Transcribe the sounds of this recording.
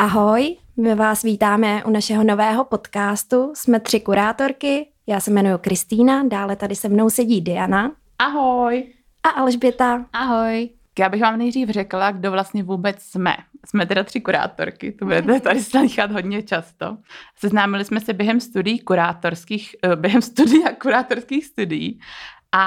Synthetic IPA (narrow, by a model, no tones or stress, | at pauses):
ʔaɦo̞j | mɪvaːsviːt̪aːmɛʔunaʃɛɦo̞no̞vɛːɦo̞po̞t̪kaːst̪usmɛt̪r̥ɪkuɾaːt̪o̞ɾkɪ | jaːsɛmɛnujukɾɪst̪iːnadaːlɛt̪adɪsɛmno̞wsɛɟiːdɛjana | ʔaɦoj | ʔaʔalʒbɪt̪aʔaɦoj | kjaːbɪxvaːmnɛjd̪riːfr̝ɛklaɡdovlast̪ɲɛvuːbɛt͡ssmɛ̰smɛt̪ɛdat̪r̝̥ɪkuɾa̰ːt̪o̰ɾkɪ̰t̪obudɛt̪ɛt̪adɪsnadiːxat̪ɦodɲɛt͡ʃast̪o̞̰sɛznaːmɪlɪsmɛsɛbjɛɦɛmst̪udɪjiːkuɾaːt̪oɾskiːxbjɛɦɛmst̪udɪjakuɾaːt̪oɾskiːxst̪udɪjḭːʔa